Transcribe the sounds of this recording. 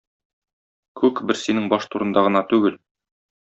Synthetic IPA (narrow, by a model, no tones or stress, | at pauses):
kʉkbɘɾsinɘŋbɒʃt̪uɾɤ̆nd̪ɑʁɤ̆nɑt̪ʉɡɘl